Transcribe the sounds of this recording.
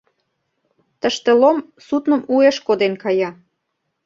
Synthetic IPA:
t̪əʃt̪elom | sut̪nə̆mueʃkod̪enkɑjɑ

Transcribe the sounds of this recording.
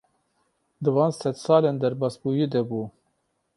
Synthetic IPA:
d̪ɨvɑːnsɛd̪sɑːlend̪ɛɾbɑːsbuːjid̪ɛbuː

